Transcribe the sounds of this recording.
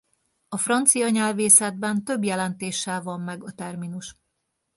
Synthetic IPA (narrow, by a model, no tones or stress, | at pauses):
ɒfrɒnt̪sijɒɲɛlveːsɛd̪̚bɛnt̪ø̞bjɛlɛnt̪eːʃːɛlvɒmːɛɡɒt̪ɛrminuʃ